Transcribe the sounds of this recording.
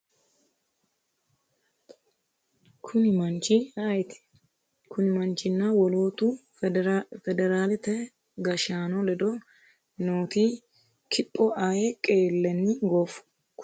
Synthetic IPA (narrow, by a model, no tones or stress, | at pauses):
kʰʊnɪmɐnt͡ʃiaːjɪt̪ɪ̥ | kʊnɪmɐnt͡ʃɪnːɐwɔloːt̪u | fɛd̪ɛɾaːlɪt̪ɛ | ɡɐʃaːnɔlɛd̪ɔ | noːt̪iː | kʰɪpʼːɔʔaːjɛkʼeːlːɛnːɪɡofʊ̥ | k